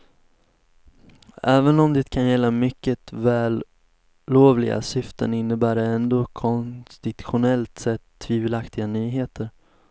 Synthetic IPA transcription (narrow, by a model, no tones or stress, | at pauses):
ʔɛːvənɔmd̪ɛt̪kʰanjɛlːamʏkːət̪væːlː | oːvlɪ̰ɡa̰sʏft̪ə̰nɪnːəbæːɖɛɛnd̪oːkʰɔnst̪ɪt̪ɧʊnɛlt̪sɛt̪ʰːviːvəlakt̪ɪɡanyːɦeːt̪ʰəɾ